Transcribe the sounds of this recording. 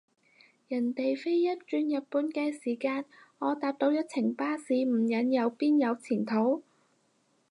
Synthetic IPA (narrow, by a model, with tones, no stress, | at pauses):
jɐ˨˩nt̪e˨jfe˥jːɐ˥t̚t͡ʃyː˧njɐ˨t̚puː˨˥nkɛː˧siː˨˩kaː˧nŋɔː˨˧t̪aː˧p̚t̪o˨˥wjɐ˥t̚t͡sʰɪ˨˩ŋpaː˥siː˨˧m̩˨˩jɐ˨˥njɐ˨˧wpiː˥njɐ˨˧wt͡sʰiː˨˩nt̪ʰo˨˥w